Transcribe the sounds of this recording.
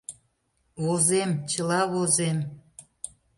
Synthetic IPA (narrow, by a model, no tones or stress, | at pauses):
βozemt͡ɕəlɑβozem